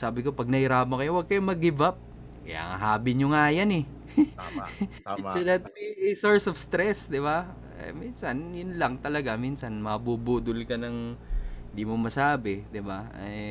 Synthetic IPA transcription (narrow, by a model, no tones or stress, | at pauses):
saːbɪko̞pɐɡ̚nɐhɪɾaːpmokɐjowɐɡ̚kɐjomɐɡɪvap̚ | kɐja̰ːŋɐ̰ɦaːbɪɲoŋaːjɐnɛ | lɛt̪̚isoɹsofst̪ɾɛsd̪ɪba̰ | minsɐnjʊnlɐŋt̪ɐlɐɡaminsɐnmɐbubuːd̪ʊlkɐnɐŋɪnd̪imomɐsaːbɪd̪ɪbaɛ